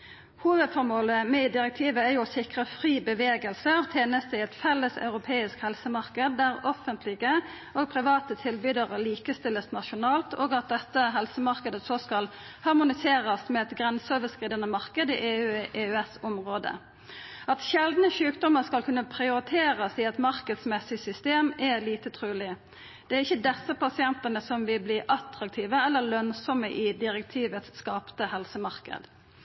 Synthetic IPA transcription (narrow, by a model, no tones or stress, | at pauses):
huːʋəd̪fɔɾmoːləmɛɪd̪ɪʁɛk̚t̪ʰiːʋəæjʊsɪkʁəfʁiːbəʋeːɡəlsət̪ʰeːnəst̪əɪɛt̪fɛlːəsɑ̰ʉɾʊpʰeːɪskhɛlsəmɑʁkəd̪ːæʁɔfənt̪ʰlɪɡə | oːɡ̚pʰʁɪʋɑːt̪ət̪ʰɪlbyːd̪əʁəliːkəst̪ɪləsnɑʃʊnɑːlt̪ʰoːɡɑt̪̚d̪ɛt̪ːəɦɛlsəmɑʁkəd̪əsɔskɑl | hɑʁmʊnɪseːʁəsmɛɛt̪ɡʁɛnsoːʋəskʁiːd̪ənəmɑʁkəd̪ɪːʔeːʉʔeːʉɛsʊmʁoːd̪ə̰ | ɑt̪ʃɛld̪nəʃʉːk̚d̪ɔməskɑlkʰʉnːəpʰɾɪʊɾɪt̪ʰeːɾɑsɪɑt̪mɑʁkəd̪smɛsɪsʏst̪eːmɛliːt̪ət̪ʰʁuːlɪ | d̪̥ɛæʁɪçːəd̪ɛsːəpɑsɪɛnt̪ənəsɔmʋɪlbliːɾʔɑt̪ɾɑk̚t̪ʰiːʋəɛlːəlœnsɔməʔɪd̪ɪɾɛk̚t̪ʰiːʋət̪sskɑːpt̪əhɛlsəmɑʁkə̰d̪̥